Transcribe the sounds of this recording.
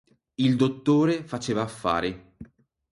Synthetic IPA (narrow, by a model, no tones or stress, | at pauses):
ild̪ot̪ːoːɾefat͡ʃeːvaːfːa̰ːɾi